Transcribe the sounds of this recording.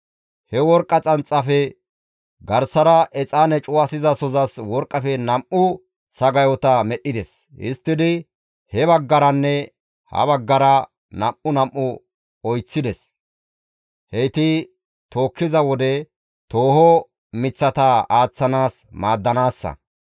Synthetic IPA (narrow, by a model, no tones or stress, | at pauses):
hɛwɔɾkʼːɐt͡sʼɐnt͡sʼːɐfɛ | ɡɐɾsɐɾɐʔɛt͡sʼaːnɛt͡ʃʼʊwɐsɪzɐsɔzɐswɔɾkʼːɐfɛnɐmʔʊ | sɐɡɐjɔt̪ɐmɛɗːɪd̪ɛs | hɪ̰st̪ːɪd̪ɪ | hɛβɐɡːɐɾɐnːɛ | hɐ̰βɐɡːɐɾɐ | nɐmʔːʊnɐmʔːʊ | ɔjt͡sːɪd̪ɛs | hɛjt̪ɪ | t̪o̞ːkːɪzɐwɔd̪ɛ | t̪oːhɔ | mɪt͡sːɐt̪ɐaːt͡sːɐnaːsmaːd̪ːɐnaːsːɐ̰